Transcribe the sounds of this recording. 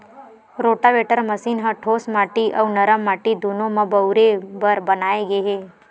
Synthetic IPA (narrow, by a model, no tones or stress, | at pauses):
ɾoʈaʋeʈəɾməsinɦə̃ʈʰoːsmaːʈiʔɐwnəɾəmːaʈid̪ʱunõmãbəwɾebəɾbənaːeɡeɦe